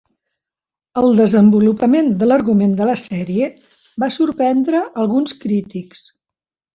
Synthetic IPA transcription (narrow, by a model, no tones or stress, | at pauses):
əlˠd̪əzəmbulupəmend̪ələɾɣumend̪ələsɛɾiə | basuɾpɛnd̪ɾəʔəlˠɣunskɾit̪iks